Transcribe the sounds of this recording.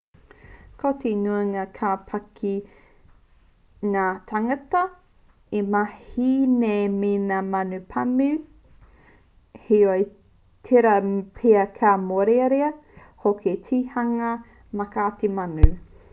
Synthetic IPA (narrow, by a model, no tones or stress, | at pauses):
kʰotʰenuɐŋakʰaːpʰɐkʰi | ŋaːt̪ʰaŋɐtɐ | emahineminamɐnʉpʰɐmʉ | heoe | tʰeɾɐpʰeɐkʰamoɾeɾeɐ | hokʰetʰihɐŋɐ | mɐkaːtemanʉ